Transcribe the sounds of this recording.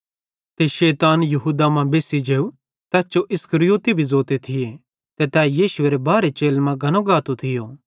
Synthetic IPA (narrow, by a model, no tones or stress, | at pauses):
t̪eʃeːt̪aːnjɐɦuːd̪amãbeːsid͡ʒeːu | t̪ɛːst͡ʃoʔɪskəɾɪjoːt̪ibʱizoːt̪et̪ʰɪje | t̪et̪ɛːjiːʃʊeːɾebaːɾet͡ʃeːlmãɡʱɐnoɡaːt̪ot̪ʰɪjoː